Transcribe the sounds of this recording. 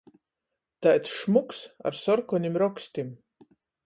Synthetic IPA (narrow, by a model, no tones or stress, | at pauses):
t̪ajt̪sʃmuksa̰ɾsɔɾkɔnʲimɾɔksʲt̪ʲim